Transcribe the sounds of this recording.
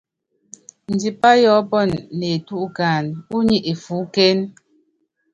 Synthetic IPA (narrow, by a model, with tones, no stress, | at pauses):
n̩˨d͡ʒi˨pa˦jɔ˨˦pɔ˦˨nːe˨tu˦ʔkaː˨nu˦ɲi˦ʔe˨fu˨˦ke˦n